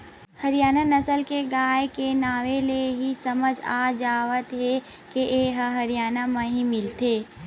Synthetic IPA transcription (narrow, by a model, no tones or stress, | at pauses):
hɐɾɪjaːnanɐsəlkeɡaːjkenaːʋeleɦisɐməd͡ʒaːd͡ʒaːʋət̪ɦɛ | keʔeːɦəɦɐɾijaːnamə̃ɦimɪlt̪eː